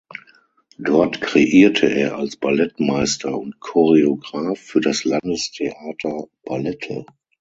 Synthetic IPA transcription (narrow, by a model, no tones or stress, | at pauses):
d̥ɔɐtkʁ̥eʔiːɐtʰəʔeːɐʔalsb̥alɛtmaɪstʰɐʊntkʰɔʁeoɡʁaːfːyːɐdaslandəstʰeʔaːtʰɐb̥alɛtʰə̰